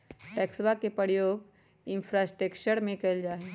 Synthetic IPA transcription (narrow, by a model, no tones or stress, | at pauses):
ʈɛːkswakepəɾjoːɡ | ɪ̃npʰɾasʈɾəkt͡ʃəɾmẽkɐld͡ʒaːɦe